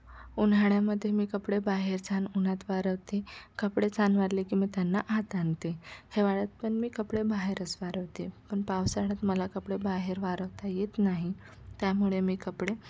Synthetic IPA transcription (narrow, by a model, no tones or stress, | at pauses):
unɦaɳjaməd̪ʱːjemiːkəpɽebaɦeɾt͡sʰanunat̪ʋaɾəʋt̪ekəpɽet͡sʰanʋaɾlekiːmiːt̪janːaʔat̪ant̪eheʋaɭat̪̚pəɳmiːkəpɽebaɦeɾəsʋaɾəʋt̪epəɳpaʋsaɽat̪məlakəpɽebaɦeɾʋaɾəʋt̪ajet̪naɦi | t̪jamuɭemiːkəpɽe